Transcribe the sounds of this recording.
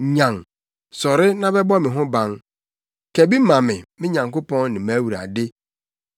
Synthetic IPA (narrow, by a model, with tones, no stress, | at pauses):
ɲã˨ŋ | sɔ˨ɾɪ˦nã˦bɛ˦bɔ˦mɪ̃˨ɦʊ̃˦bã˦ŋ | kɛ˨bi˦mã˨mɪ̃˨mɪ̃˦ɲã˨ŋkʊ˦pɔ̃˦nnɪ̃˨ma˦wu˨ɾa̰˨dɪ˦